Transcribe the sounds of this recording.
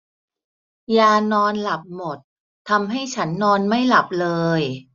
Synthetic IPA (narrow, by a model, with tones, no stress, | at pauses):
jaː˧nɔː˧nla˨˩p̚mo˨˩t̪̚ʰː | a˧mɦa˥˩jt͡ɕʰa˦˥nːɔː˧nma˥˩jla˨˩p̚lɤː˧j